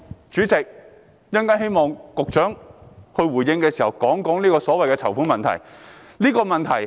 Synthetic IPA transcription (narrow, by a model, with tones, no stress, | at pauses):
t͡ʃyː˨˥t͡sɪ˨k̚ | jɐ˥ŋkaː˥nhe˥jmɔː˨˧ŋkʊ˨k̚t͡ʃœː˨˥ŋhɵ˧ɥwuː˨˩jɪ˧ŋkɛː˧siː˨˩hɐ˨˩wkɔː˨˥ŋkɔː˨˥ŋnliː˥kɔː˧sɔː˨˥wɐ˨jkɛː˧t͡sʰɐ˨˩wfuː˨˥nmɐ˨nt̪ʰɐ̰˨˩j | liː˥kɔː˧mɐ˨nt̪ʰɐ˨˩j